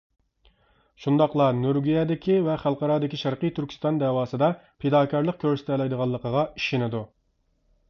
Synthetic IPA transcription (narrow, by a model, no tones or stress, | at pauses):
ʃund̪ɑqlˠɑnyɾɡʲyjɛd̪ɪkʲʰivɛχælˠqɑɾɑːd̪ɪkʲiʃæɾqəjt̪ʰyɾkʲʰist̪ɑnd̪ɛːwɑːsɨd̪ɑ | pʰed̪ɑːkʰʲɑɾlˠəq̚kʲʰøɾsɪ̥t̪ʰɛlɛjd̪əʁɑlˠːəqəʁɑiʃɪnɪd̪u